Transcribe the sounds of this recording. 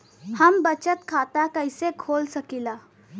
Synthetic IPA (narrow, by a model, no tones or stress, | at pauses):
həmbət͡ɕət̪kʰat̪akəjsekʰolsəkila